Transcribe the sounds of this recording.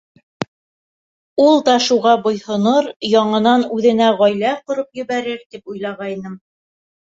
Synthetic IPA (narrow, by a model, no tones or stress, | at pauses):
ulˠd̪ɑʃuʁɑbŏjhŏnoɾjɑɴɤ̆nɑnʉðɘ̆næʁɑjlæqŏɾopjɘ̆βæɾɘɾt̪ipujlˠɑʁɑinɤm